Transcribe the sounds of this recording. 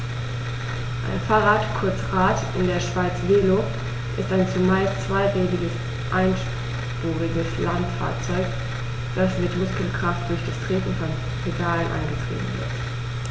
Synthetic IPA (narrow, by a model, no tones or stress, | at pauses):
ʔa̰ɪnfaːʁatkʰʊɐt͡sʁaːtʔɪndeːɐʃv̥aɪt͡sveːlo | ʔɪstaɪnt͡sumaɪlst͡sv̥aɪʁɛːɡɪɡəs | ʔaɪnʃ | ʁ̥uːʁɪɡəslantfa̰ːɐt͡sɔʏk | d̥asmɪtmʊskl̩kʁ̥aft̚d̥ʊɐçd̥astʁ̥eːtn̩fɔn | ʁeɡaːlənʔa̰ɪnɡətʁ̥ḭːbm̩vɪ̰ɐt